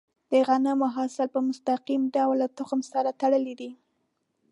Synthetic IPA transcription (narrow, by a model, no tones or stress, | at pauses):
d̪̥əɣanəmʊɦɑsɪlpəmʊst̪aqimɖawlːat̪ʊxmsaɾat̪aɽəlid̪i